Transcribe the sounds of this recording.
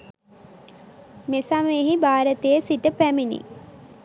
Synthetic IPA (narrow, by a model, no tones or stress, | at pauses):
mesameɦibaːɾət̪ejəsiʈəpæminḭ